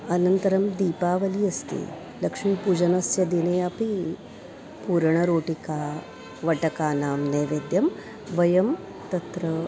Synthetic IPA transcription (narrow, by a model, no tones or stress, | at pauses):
ɐnɐnt̪ɐɾɐmd̪iːpaːʋɐliɐst̪ḛː | lɐkʂmipud͡ʒɐnɐsjɐd̪ineːɐpi | puːɾɳ̃ɐɾoːʈikaː | ʋɐʈɐkaːnaːmneːʋeːd̪jɐm | ʋɐjɐm | t̪ɐt̪ɾɐ